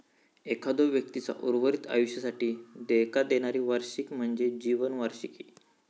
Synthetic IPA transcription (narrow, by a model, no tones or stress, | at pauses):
ekʰad̪oʋjək̚t̪it͡sa̰ʔuɾʋəɾit̪a̰juɕjəsaʈiːd̪ekad̪eɽ̃aɾiːʋaɾɕikm̤əɳd͡zed͡ʑiʋənʋaɾɕiki